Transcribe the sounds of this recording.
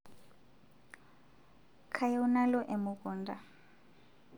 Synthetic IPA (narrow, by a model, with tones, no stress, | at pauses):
kʰa˨jɔ˦una˦lɔ˦ʔe˨mukɔː˨nda˨